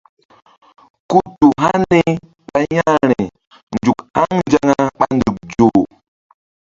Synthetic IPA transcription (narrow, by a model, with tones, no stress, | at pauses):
ku˦tu˨ɦa˦nni˦ | ɓa˦ɲa˦ɾi˨ | nd͡ʒu˨kha˦ŋnd͡ʒa˦ŋa˦ɓa˦ndu˨k̚d͡ʒo˨